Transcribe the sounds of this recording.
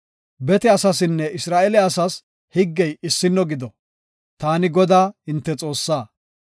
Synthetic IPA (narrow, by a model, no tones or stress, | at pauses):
bɛt̪ɛɐsɐsɪnːɛɪsɾaːʔɛlɛɐsɐs | hɪɡːɛjɪsːɪnːɔɡɪd̪ɔ | t̪aːnɪɡɔd̪aːɪnt̪ːɛt͡sʼo̞ːsːaː